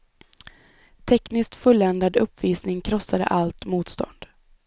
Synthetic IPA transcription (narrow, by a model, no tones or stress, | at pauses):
t̪ʰɛknɪskt̪fɵlːɛnd̪ad̪ɵpːviːsnɪŋkʰɾɔsːad̪ə̰ʔalt̪muːt̪st̪ɔ̰nd̪̥